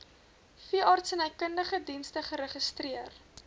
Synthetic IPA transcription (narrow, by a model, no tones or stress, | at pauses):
fiəʔɑːrtsənɛjkəndəχədinstəχəɾəχəstriər